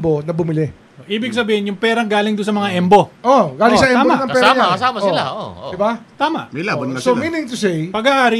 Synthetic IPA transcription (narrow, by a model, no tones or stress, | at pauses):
bo̞nɐbʊmɪlɪ | oʔiːbɪɡ̚sɐbiːhɪnjʊŋpɛːɾɐŋɡaːlɪŋd̪ʊns̬ɐmɐŋaʔɛmbo̞ʔoɡaːlɪŋsɐʔɛabomanɐŋpɛɾɾaɲmɐsaːmɐolad̪ɪbat̪aːmɐ̰ʔmɐjlaːbɐnɐɐsominɪŋt̪usejpɐɡaʔaːɾɪ